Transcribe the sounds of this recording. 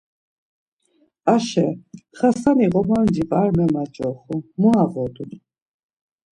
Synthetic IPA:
aʃɛχasaniʁɔmand͡ʒipʼaɾmɛmat͡ʃʼɔχumuavɔd̪un

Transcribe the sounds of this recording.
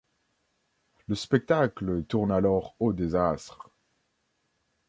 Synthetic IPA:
ləspɛk̚t̪aklət̪uʁnalɔʁod̪ezast̪χ

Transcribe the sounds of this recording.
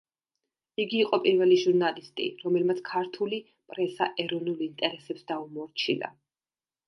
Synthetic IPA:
iɡiːqʼɔpʼiɾvɛliʒuɾnalist̪ʼḭɾɔmɛlmat̪sʰkʰaɾt̪ʰuli | pʼɾɛsa̰ʔɛɾɔnulˠint̪ʼɛɾɛsɛpsd̪aumɔɾt͡ʃʰḭna̰

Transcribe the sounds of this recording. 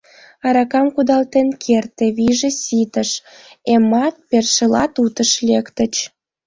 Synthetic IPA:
ɑɾɑkɑmkud̪ɑlt̪enkʰert̪ĕβiʒesit̪əʃ | emɑt̪̚perʃelɑ̰t̪ut̪əʃlekt̪ət͡ɕ

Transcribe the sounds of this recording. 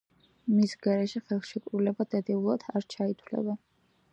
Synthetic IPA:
misɡaɾɛʃɛχɛlˠχʃikʼɾulɛbad̪̥ad̪ɛulˠad̪̥ʰaɾt͡ʃʰait̪ʰlɛ̰ba

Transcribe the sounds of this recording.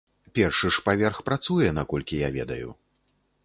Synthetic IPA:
pʲɛrʂɨʂpavʲɛrxpɾat̪sujɛnakɔlʲkʲijavʲɛ̰d̪ɐjṵ

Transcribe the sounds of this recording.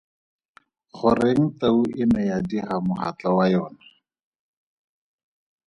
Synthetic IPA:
χʊreŋ̩tauʔɪmɛjadiχamʊχa̰t͡ɬawajɔːna

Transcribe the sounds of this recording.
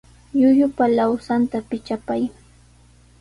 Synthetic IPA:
jʊjʊpalawsant̪apɪt͡ʃapaj

